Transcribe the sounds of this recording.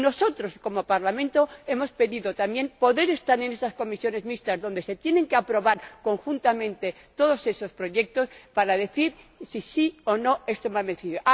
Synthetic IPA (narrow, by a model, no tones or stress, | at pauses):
no̞so̞t̪ɾo̞sko̞mo̞paɾlamẽ̞nt̪o̞e̞mo̞spe̞ðiðot̪amje̞npo̞ðe̞ɾe̞st̪aɾe̞ne̞sasko̞misjo̞ne̞zmist̪azðo̞nd̪e̞se̞t̪je̞ne̞ŋkeapɾo̞βaɾko̞ŋxunt̪amẽ̞nt̪e̞ | t̪o̞ðo̞se̞so̞spɾo̞ʝe̞k̚t̪o̞spaɾaðe̞θiɾ | sisio̞no̞e̞st̪o̞maβenθiðoʔ